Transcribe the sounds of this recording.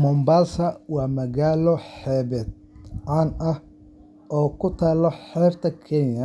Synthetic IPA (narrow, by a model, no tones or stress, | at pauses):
mɔmbaːlsɐwɑːmɐɣaːlɔħɛːβɛːd̪̚ | ʕaːnɐh | ʔɔːkʰʊt̪ʰaːlɔħɛːbt̪ʰɐkʰɛnjɐ